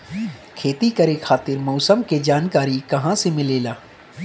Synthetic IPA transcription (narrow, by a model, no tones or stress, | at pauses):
kʰeːt̪ikɐɾekʰaːt̪ɪɾmɔːsəmked͡ʒaːnkaːɾikɐɦãsemɪleːlaː